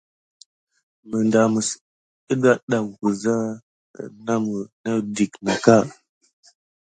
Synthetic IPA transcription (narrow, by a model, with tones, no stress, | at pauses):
mə˨nda˨mə˨s | ə˦ɗa˦ɗa˨ŋ˨ku˨za˦˨ | na˦mə˨nə˦di˨kna˨ka˦˨